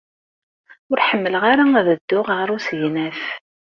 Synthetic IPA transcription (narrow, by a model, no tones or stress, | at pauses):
ʊɾħəmːələʁaɾaæðəd̪ːʊʁəʁɾˤusjnæfθ